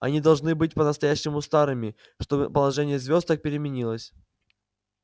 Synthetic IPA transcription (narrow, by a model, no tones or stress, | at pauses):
ɐ̰nʲid̪ɐlˠʐnɨbɨt̚ʲpənəst̪ɐjæɕːɪmʊst̪aɾɨmʲɪ | ʂt̪o̞bɨ̰pəlˠɐʐɛnʲɪjəzvʲo̞st̪ək̚pʲɪɾʲɪmʲɪnʲilˠəsʲ